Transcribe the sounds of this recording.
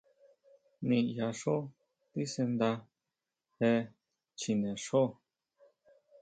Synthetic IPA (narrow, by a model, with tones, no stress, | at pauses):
nĩ˧ja˧ʂo˦ | t̪i˦se˧nd̪a˧ | he˧ | t͡ʃi˧nẽ˨ʂo˦